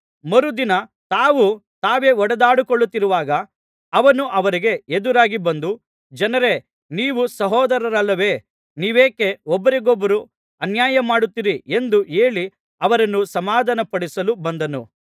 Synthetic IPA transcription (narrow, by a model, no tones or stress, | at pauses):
mɐɾud̪inɐt̪aːʋut̪aːʋe̞ɔɽɐd̪aːɽukɔɭːut̪ːiɾuʋaːɡɐː | ʋɐnuʔɐʋɐɾiɡe̞ed̪uɾaːɡibɐnd̪u | d͡ʒɐnɐɾe̞ | niːʋusɐɦɔːd̪ɐɾɐɾɐlːɐʋe̞ː | niːʋeːke̞ɔbːɐɾeɡɔbːɐɾu | ɐnjaːjɐmaːɽut̪ːiɾie̞nd̪ue̞ːɭi | ɐʋɐɾɐnːusɐmaːd̪ʱɐnɐpɐɽisɐlubɐnd̪ɐnṵ